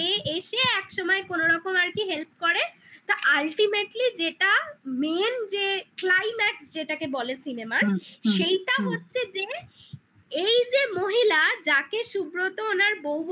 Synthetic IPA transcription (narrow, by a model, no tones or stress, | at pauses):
eeʃeɛkʃɔmɔekonoɾɔkomaɾkiɦelp̚kɔɾet̪oʔalʈimeʈlid͡ʑeʈamend͡ʑeklajmɛksd͡ʑeʈakebɔlesinemaʃejʈaɦotːɕʰed͡ʑe | ejd͡ʑemoɦilad͡ʑakeʃubɾot̪oonaɾbowub